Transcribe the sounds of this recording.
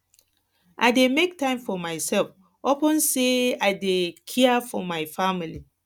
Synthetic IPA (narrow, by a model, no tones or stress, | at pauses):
ʔa̰ɪdemek̚tãɪ̃mfɔmaɪsɛlf | ɔpə̃nseaɪdekʰɛafɔmaɪfamili